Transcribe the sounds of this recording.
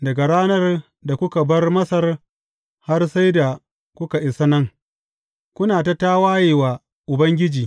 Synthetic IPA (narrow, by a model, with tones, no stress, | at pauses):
dɐ˨ɡa˨ɽaː˦nɐ˦r | da˨kʷʊ˦ka˨bɐ˦rmɐ˦sɐ˨r | ha˦rsa˦jda˨ | kʷʊ˦ka˨ʔɪ˨sa˦nɐ˦ŋ | kʷʊ˦naː˨ta˨taː˦waː˦jeː˨waː˨ | ʔʊ˨bɐ˦ŋɡʲɪ˦d͡ʒiː˨